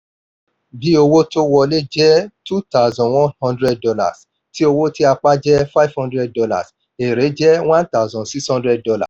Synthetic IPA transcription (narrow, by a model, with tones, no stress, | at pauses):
bi˨˦o˧wo˦to˦wɔ˧le˦d͡ʒɛ˦tu˦ta˦˨zɔ̃˨wɔ̃˦nhɔ̃˦ndɾɛ˦d̚dɔ˧la̰˨s | ti˦o˧wo˦ti˦a˧k͡pa˦d͡ʒɛ˦fa˦i˦vhɔ̃˦ndɾɛ˦d̚dɔ˧la̰˨s | e˨ɾe˨˦d͡ʒɛ˦wã˦nta˦˨zɔ̃˨si˦shɔ̃˦ndɾɛ˦d̚dɔ˧la̰˨s